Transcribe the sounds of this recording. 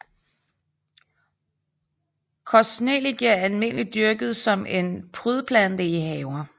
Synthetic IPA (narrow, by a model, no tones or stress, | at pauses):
kʰɒsneliɡ̥iɐælme̝n̰əlid̥yɐɡ̥ð̞̩ˠsɒ̽me̝npʰʁyð̞ˠpʰlæn̰d̥əiɦɛʊɐ